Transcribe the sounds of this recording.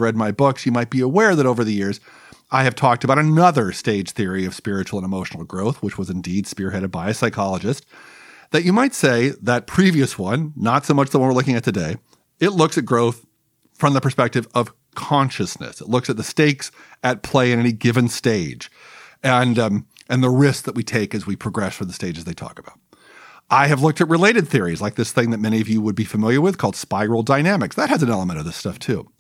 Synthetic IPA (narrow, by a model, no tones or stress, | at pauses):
ɹɛd̚maɪbʊksjɨmaɪt̚b̥iəwɛɹðɨɾoʊvə˞ðɨjɪɹz | ʔaɪɨv̥tʰɔk̚tɨbaʊɾɨnʌðə˞steɪd̥ʒ̥θɪɹiʌv̥spɪɹɨt͡ʃul̩ˠə̃nəmoʊʃn̩l̩ˠɡɹoʊθwət͡ʃwʌzɨ̃ndid̥spɪɹɦɛɾɨd̚baɪɨsaɪkʰɑlˠəd͡ʒɨst̚ | ðɨt͡ʃɨmaɪtseɪðɨt̚pʰɹ̥iviɨswʌ̃nːətsoʊmʌt͡ʃðəwʌ̃nwəɹlʊkɪ̃ŋɨt̪̚ʰɨdeɪ | ɪtˡlʊksɨt̚ɡ̥ɹoʊθ | fɹʌ̃mðəpʰə˞spɛk̚tɨvʌv̥ | kʰɑ̃nʃɨsnɨ̰sətˡlʊksɨt̪̚ðɨsteɪksɨt̚pʰl̥eɪɨ̃ñɛniɡɪvɨ̃nsteɪ̥d͡ʒɨ̃n | ɨ̃nðəɹɪsk̚ðɨt̚witʰeɪkɨzwipʰɹ̥ɨɡɹɛsfə̃˞ðɨsteɪd͡ʒɨzðeɪtʰɔ̰kəb̥aʊt̚ | ʔaɪɨvlʊk̚tɨt̚ɹɨleɪɾɨd̪̚θɪɹiz̥laɪk̚ðɪsθɪ̃ŋðɨt̚mɛñiʌvjɨwəd̚bifɨmɪlˠjə˞wɨð̥kʰɔlˠd̥spaɪɹl̩ˠdaɪnæmɨksðɨt̚hɨzɨ̃n̩ɛlˠəmə̃ɾ̃ʌvðɪstʌftʰʉ